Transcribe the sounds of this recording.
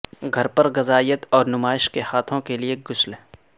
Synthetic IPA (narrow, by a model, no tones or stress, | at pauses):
ɡʱɐɾpɐɾɣɐzaːijət̪ɔːɾnʊmaːɪʃkehaːt̪ʰõkelieɡʊslɦɛ